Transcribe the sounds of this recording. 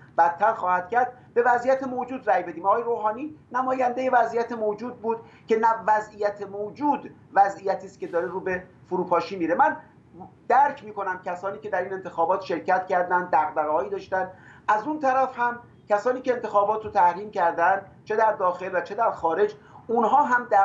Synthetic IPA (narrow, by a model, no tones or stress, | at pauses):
b̥æt̪ʰːæɾxɒːhæd̪̥̚cæɾd̪̚ | be̞væzʔijæt̪ʰemod͡ʒuːd̪ræːjbe̞d̪iːmɒɣːjeɾoːɦɒːniːnæmɒːjænd̪eje̞væzʔijæt̪ʰemod͡ʒuːd̪̚buːd̪̥ | cʰe̞nævæzijæt̪ʰemod͡ʒuːd̪ | væzijæt̪ʰiːst̪kʲe̞d̪ɒːɾeɾuːbe̞ | foɾuːpʰɒːʃiːmiːɾemæn | d̪̥æɾkʰmiːko̞næmcʲʰæsɒːniːcʰe̞d̪æɾiːne̞nt̪ʰe̞xɒːbɒːt̪ʃe̞ɾcæt̪cæɾd̪ænd̪ːæɣbæɣhɒːiːd̪ɒːʃt̪ænd̪ʔæzunt̪ʰæɾæfhæm | cʰʲæsɒːniːce̞eːnt̪ʰe̞xɒːbɒːt̪ʰɾot̪ʰæhɾiːmcæɾd̪ænd̪t͡ʃʰe̞d̪æɾd̪ɒːxe̞lvæt͡ʃʰed̪æɾxɒːɾe̞d͡ʒ | unɦɒːɦæmd̪æ